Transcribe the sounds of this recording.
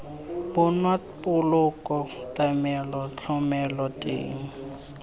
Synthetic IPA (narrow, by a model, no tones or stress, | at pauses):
bʊnwa | pʼʊlʊkʼɔtʼamɛlɔt͡ɬʰɔmɛlɔtʼḛːŋ̩